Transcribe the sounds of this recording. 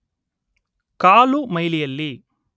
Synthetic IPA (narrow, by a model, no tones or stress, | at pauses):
kaːlumɐjlijɐlːi